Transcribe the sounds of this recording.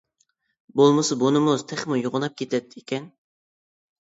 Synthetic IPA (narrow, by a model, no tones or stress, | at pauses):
bolˠmɨsɑbonɨmʊz̥t̪ʰɛχmujoʁʊnɑp̚kʲʰet̪ʰɛt̪ʰːikʲʰɛn